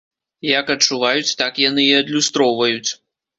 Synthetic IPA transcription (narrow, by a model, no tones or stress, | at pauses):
jɐkɐt͡ʂːuvajut͡sʲt̪akjanɨiɐd̪lʲust̪ɾɔwvɐjut͡sʲ